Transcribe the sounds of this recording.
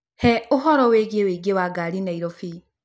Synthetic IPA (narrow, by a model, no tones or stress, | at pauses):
hɛoɦɔɾɔweɣeweɡewaɡaɾinaiɾɔfi